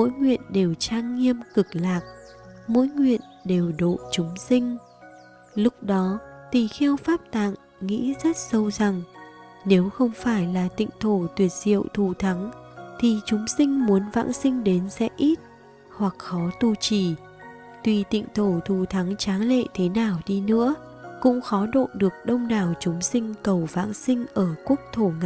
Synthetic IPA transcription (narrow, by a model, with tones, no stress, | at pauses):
mo̰˧˥jŋwḭ˧˨ənɗe˨˩wt͡ɕaː˧ŋːi˧əmkɨ˨˩k̚laː˨˩k̚ | mo̰˧˥jŋwḭ˧˨ən | ɗe˨˩wɗo̰˧˨t͡ɕʊ˨˦ŋ͡msï˧ŋ̟ | lʊ˦˥k͡p̚ɗɔ˨˦t̪i˨˩xɛ˧wfaː˦˥p̚t̪a̰ː˧˨ŋ | ŋḭ˧˥zə˦˥t̚sə˧wza˨˩ŋ | ne˨˦wxə˧wŋ͡mfaː˧˩jlaː˨˩t̪ḭ˧˨ŋ̟t̪ʰo˧˩t̪wi˨˩ət̚z̥ḭ˧˨əwt̪ʰu˨˩t̪ʰa˨˦ŋt̪ʰi˨˩t͡ɕʊ˨˦ŋ͡msï˧ŋ̟mu˨˦ənva̰ː˧˥nsï˧ŋ̟ɗe˨˦nsɛ̰˧˥ʔi˦˥t̚ | hwa˨˩k̚xɔ˨˦t̪u˧t͡ɕi˧˩ | t̪wi˨˩t̪ḭ˧˨ŋ̟t̪ʰo˧˩t̪ʰu˨˩t̪ʰa˨˦ŋt͡ɕaː˨˦ŋlḛ˧˨t̪ʰe˨˦naː˨˩wɗi˧nɨ̰˧˥ə | kʊ̰˧˥ŋ͡mxɔ˨˦ɗo̰˧˨ɗɨ˨˩ək̚ɗə˧wŋ͡mɗaː˨˩wt͡ɕʊ˨˦ŋ͡msï˧ŋ̟kə˨˩wva̰ː˧˥ŋsï˧ŋ̟ʔəː˧˩ku˦˥ək̚t̪ʰo˧˩ŋa̰˧˨